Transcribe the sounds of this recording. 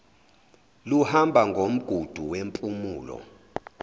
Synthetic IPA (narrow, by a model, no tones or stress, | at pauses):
luhambʱaŋɡʱom̩ɡ̥ʱud̥ʱuwempʼumuːlɔ̰